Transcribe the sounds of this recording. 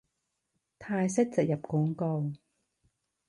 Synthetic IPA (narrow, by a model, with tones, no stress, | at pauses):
t̪ʰaː˧jsɪ˥k̚t͡sɪ˨k̚jɐ˨p̚kɔː˨˥ŋko˧w